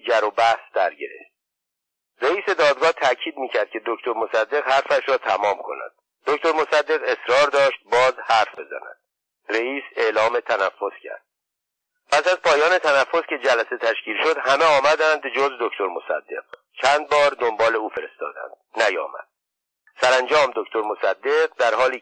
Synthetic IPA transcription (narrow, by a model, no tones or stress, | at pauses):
d͡ʒæɾobæhsd̪̥æɾɟeɾe̞̰ft̪ | reiːse̞d̪ɒːd̪ɡɒːht̪ʰæcʰiːd̪miːcʰæɾd̪kcʰe̞d̪o̞ct̪ʰoɾmo̞sæd̪ːe̞ɣhæɾfæʃɾɒːt̪ʰæmɒːmkʰo̞̰næ̰d̪̥ | d̪̥o̞ct̪o̞ɾmo̞sæd̪ːe̞ɣe̞sɾɒːɾd̪ɒːʃt̪̚bɒːzhæɾfbe̞zæ̰næ̰d̪̥ | reiːse̞lɒːme̞t̪ʰænæfːo̞scʰæ̰ɾd̪̥̚ | pʰæsæzpʰɒːjɒːne̞t̪ʰænæfːo̞scʲe̞d͡ʒælæse̞t̪ʰæʃcʰiːlʃo̞d̪hæmeɒːmæd̪ænd̪d͡ʒozd̪o̞cʰt̪o̞ɾmosæ̰d̪ːe̞̰q | t͡ʃʰænd̪̚bɒːɾd̪o̞mbɒːle̞uːfe̞ɾest̪ɒ̰ːd̪æ̰nd̪̥næjɒ̰ːmæ̰d̪̥̚ | sæɾænd͡ʒɒːmd̪oct̪ʰo̞ɾmo̞sæd̪ːe̞ɢd̪æɾhɒːliː